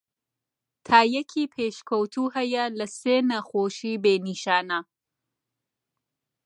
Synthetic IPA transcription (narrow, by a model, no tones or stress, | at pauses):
t̪ʰaːjɐkʰiːpʰeːʃkʰowt̪ʰuːɦɐjɐlɐseːnɐxoːʃiːbeːniːʃaːnɐ